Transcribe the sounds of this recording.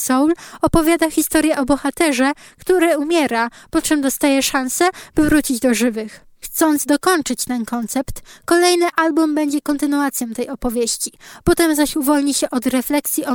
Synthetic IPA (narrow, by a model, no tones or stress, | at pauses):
sɔwlɔpɔvʲjad̪axʲist̪ɔɾʲjɛʔɔbɔxat̪ɛʐɛkt̪uɾɛumʲjɛɾapɔt͡ʂɛmd̪ɔst̪ajɛʂansɛb̥ɘvɾut͡ɕid͡ʑd̪ɔʐɘvɘx | xt̪sɔnd̪zd̪ɔkɔnt͡ʂɘt͡ɕt̪ɛnkɔnt̪sɛpt̪kɔlɛjnɘʔalbumbɛɲd͡ʑɛkɔnt̪ɘnuat̪sʲjɔ̃w̃t̪ɛjɔpɔvʲjeɕt͡ɕipɔt̪ɛmzaɕuvɔlɲiɕɛʔɔd̪ɾɛflɛksʲjiɔ